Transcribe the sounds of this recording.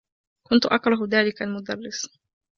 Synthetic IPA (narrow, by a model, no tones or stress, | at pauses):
kʊnt̪ʊʔɑkɾˤɑɦðaːlɪkalmʊd̪ɑrˤːɪs